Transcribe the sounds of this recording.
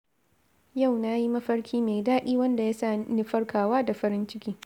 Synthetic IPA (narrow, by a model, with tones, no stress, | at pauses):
ja˦˨wna˦ji˦mɐ˦ɸɐ˦ɽkʲʰiː˦meː˨daː˦ɗʲiː˦wɐ˦nda˨jaː˦saː˦˨ni˦ɸɐ˦rkʰaː˨waː˦da˨ɸɐ˦ɾɪ˦nt͡ʃɪ˦kʲiː˦